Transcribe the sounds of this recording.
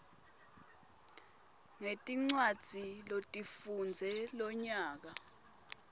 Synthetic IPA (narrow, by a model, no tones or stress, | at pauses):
ŋetʼiŋ͡ǀwad̥d͡z̥ʱilotʼifund͡zʱɛlɔɲaːk̬a